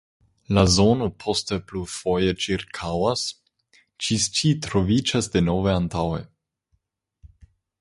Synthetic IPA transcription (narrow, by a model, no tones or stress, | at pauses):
lazo̞no̞pʰo̞steplufo̞jet͡ʃiɾkʰawas | t͡ʃist͡ʃitɾo̞vid͡ʒasdeno̞veantawḛ